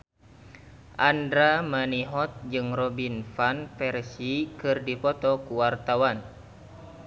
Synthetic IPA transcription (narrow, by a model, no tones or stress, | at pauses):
ʔandɾamaniɦɔt̪̚d͡ʒɨŋrɔbinfanfɛrsikɨrdipɔt̪ɔkuwart̪awan